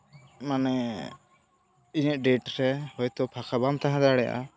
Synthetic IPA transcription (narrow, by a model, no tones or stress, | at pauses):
manɛ | iɲɛʔ̚ɖɛʈɾɛhɔjt̪ɔpʰakʰabamt̪aɦãd̪aɽɛja̰